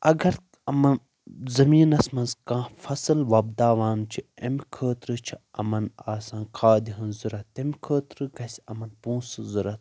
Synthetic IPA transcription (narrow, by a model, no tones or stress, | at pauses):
ʔɐɡɐɾ | ɐmɐn | zɐmiːnɐsmɐnzkãːfɐsɨlʋɐbd̪aːʋaːnt͡ʃʰiemʲkʰəːt̪ɾɨt͡ʃʰiɐ̰mɐnaːsãːnkʰaːd̪iɦɐnzuɾɐt̪emʲkʰəːt̪ɾɨɡɐsʲɐmɐnpũːsɨzuɾɐt̪